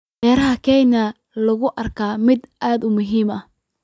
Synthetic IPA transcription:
ɛːɾɐɦɐkʰɛjnɐ | lɐɣʊʔɐrkʰaːmɪd̪ʔaːd̪ʊmʊɦiːmɐh

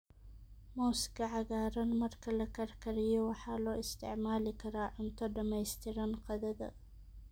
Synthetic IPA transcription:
moːskɐʕaɣaːɾɐnmɐɾkʰɐlɐkɐɾkʰɐɾɪjɔwɑħaloːʔɪst̪ʰɪ̰ʕmaːlɪkʰɐɾaʕʊmt̪ʰɔd̪ɐmɐjst̪ʰɪɾɐnqɐðɐd̪ɐ̰

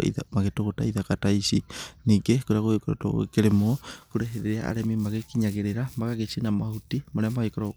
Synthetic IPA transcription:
ḭðamaɣetoɣota̰iðakataisiniɡekoɾeaɣoekoɾo̰to̰o̰keɾemokuɾeɦeɾeɾea̰a̰ɾemimaɣekiɲaɣeɾeɾamakaɣet͡ʃinamahutimaɾeamaekeɾo

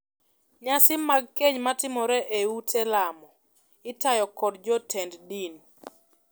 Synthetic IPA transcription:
ɲasɪmaɡ̚keɲmatɪmɔɾɛʔeutʰɛlamɔ | ɪtajɔkɔdd͡ʒɔtʰɛnddin

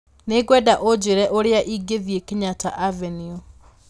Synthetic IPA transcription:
neɡwɛdaʔod͡ʑeɾɛʔoɾeaʔiɡeðjekeɲataʔavɛnio

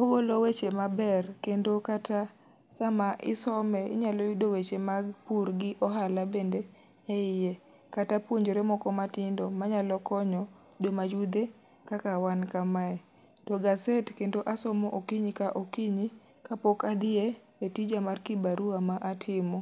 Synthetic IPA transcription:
oɡolowet͡ʃemabɛrkendokata | samaʔɪsɔmɛɪ̰ɲalɔjdowet͡ʃemaɡpuɾɡɪʔɔɦalabende | ɛɪje | katapwoɲd͡ʒoɾemɔkɔmatɪndɔmaɲalɔkɔɲɔ | domad͡ʒud̪e | kakawankamaɛ | tɔɡasetkendoʔasɔmɔʔokiɲkaʔokiɲi | kapokad̪ɪe | etid͡ʒamarkɪbaɾuamaʔatʰɪmɔ

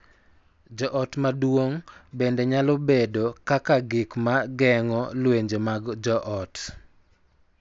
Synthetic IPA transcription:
d͡ʒɔʔɔtmadwoŋbendɛɲalɔbedokakaɡɪkmaɡɛŋɔlweɲd͡ʒomaɡd͡ʒɔʔɔt

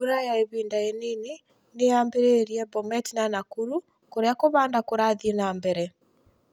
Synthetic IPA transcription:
uɾajaeβiːndaenine | neaːmbeɾeɾiɛbɔmɛtinanakuɾu | koɾeakoβaːndakoɾaðienambɛɾɛ

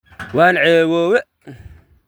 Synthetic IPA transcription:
waːnʕɛːwɔːwɛ

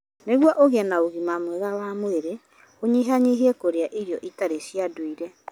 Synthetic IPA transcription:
neɣwɔʔoɣɛnaoɣimamwɛɣawaːmoeɾe | oɲiɦaɲiɦiɛkoɾeaʔiɾjɔʔitaɾesiadoiɾɛ

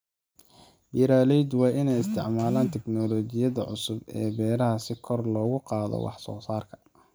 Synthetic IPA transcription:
jɪɾaːlɛjd̪wɑːʔɪnɛjɪst̪ʰɪʕmaːlaːnt̪ʰɛɡnɔːlɔːt͡ʃɪjɐðɐʕʊ̰sʊbɛ̰ːbɛːɾɐɦɐsɪkʰɔrlɔːɣʊqɑːðɔ̰wɑ̰ħsɔ̰ːsaːrkʰɐ̥

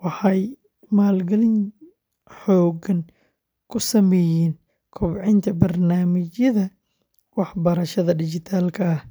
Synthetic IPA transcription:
wɑħɑj | maːlɡɐlɪn | ħɔːɡɐn | kʰʊsɐmɛːjɛːn | kʰʊbʕɪnt̪ʰɐbɐrnaːmɪt͡ʃjɐðɐ | wɑħbɐɾɐʃɐðɐdɪt͡ʃɪt̪ʰaːlkʰɐɐh

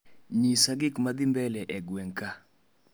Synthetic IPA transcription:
ɲisaɡɪkmad̪ɪmbɛlɛʔɛɡwɛŋka

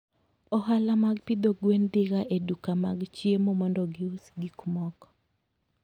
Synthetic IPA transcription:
ɔɦalamaɡpid̪oɡwendɪɡaʔedukamaɡt͡ʃjemomɔndɔɡɪusɡikumɔkɔ̥

